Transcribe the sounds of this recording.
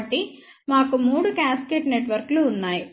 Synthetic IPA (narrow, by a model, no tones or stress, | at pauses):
ʈːi | maːkumuːɽukaːskeːʈne̞ʈʋɐɾkluːnːaːji